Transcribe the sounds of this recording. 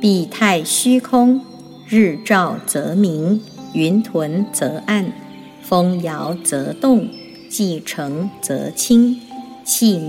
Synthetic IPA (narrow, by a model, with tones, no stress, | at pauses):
pi˨˩t̪ʰa˥˩ɪɕy˥kʰʊ˥ŋ | ɻɻ̩˥˩ʈ͡ʂɑ˥˩ʊt͡sɤ˧˥mi˧˥ŋy˧˥nt̪ʰwə˧˥nt͡sɤ˧˥ʔa˥˩n | fɤ˥ŋjɑ˧˥ʊt͡sɤ˧˥t̪ʊ˥˩ŋ | t͡ɕi˥˩ʈ͡ʂʰɤ˧˥ŋt͡sɤ̰˧˥t͡ɕʰi˥ŋt͡ɕʰi˥˧m